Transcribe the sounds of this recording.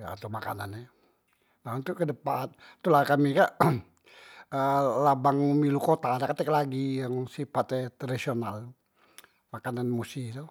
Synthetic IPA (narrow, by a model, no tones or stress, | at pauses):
ja̰ːt̪umaka̰nana | naunt̪ukədəpant̪ulakamikaʔ | əlabaŋmilukot̪adakat̪ɛklaɡijaŋsifat̪ɛt̪ɾadisional | makananmusit̪u